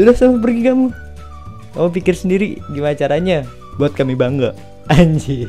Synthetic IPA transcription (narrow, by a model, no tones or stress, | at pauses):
udahsamap̬ərɡikamu | kamupikɪrsəndiɾḭɡimaat͡ʃaɾaɲa | buat̪̚kamibaŋɡa | aɲd͡ʒi